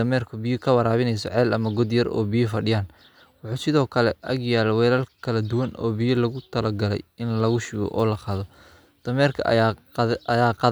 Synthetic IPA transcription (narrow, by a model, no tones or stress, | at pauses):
ɐmɛrkʰʊbɪjʊkʰɐwɑɾaːβɪnɛjsɔ̰ʕɛːlɐmɐɡɔd̪jɐrɔ̰ːbijʊfɐɖɪjaːn | wɑħuːsɪðɔːkʰɐlɛʔɐ̰ɡjaːlɛwɛːlɐlkʰɐlɐd̪ʊwɐnʔɔ̰ːbijɐlɐɣʊt̪ʰɐlɐɡɐlɛ̰jɪnlɐɣʊʃiːɣɔ̰ʔɔːlɐqɑːðɔ | d̪̥ɐmɛːrkʰɐ̰ | ɐjaːqɑ